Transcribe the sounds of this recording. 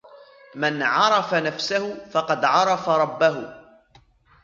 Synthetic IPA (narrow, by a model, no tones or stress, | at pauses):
manʕɑɾˤɑfanafsahʊfɑqɑd̪ʕɑɾˤɑfaɾˤɑbːaɦʊ